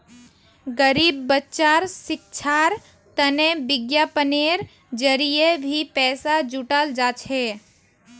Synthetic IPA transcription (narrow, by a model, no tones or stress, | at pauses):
ɡəɾiːbːətːt͡ʃaːɾsɪk̚t͡ʃʰaːɾ | t̪ənebɪɡjapəneɾ | d͡ʒəɾijebʱipɛːsad͡ʒuʈald͡ʒaːt͡ʃʰeː